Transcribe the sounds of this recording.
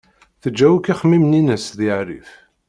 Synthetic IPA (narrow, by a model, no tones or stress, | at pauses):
θəd͡ʒːæwikiχmimninəsðiʕɾḭf